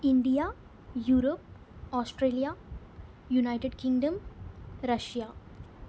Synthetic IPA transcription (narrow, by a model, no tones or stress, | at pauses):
ɪ̃ɳɖija | juːɾop̚ | ɔːsʈɾeːlija | junaɪʈeɖkɪ̃ŋɡɖə̃mɾɐʃjaː